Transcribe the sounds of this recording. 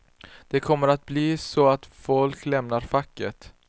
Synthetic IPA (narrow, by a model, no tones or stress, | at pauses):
d̪̥ɛkʰɔmːəɾat̪̚bliːsɔat̪fɔlklɛmnaɾfakːət̪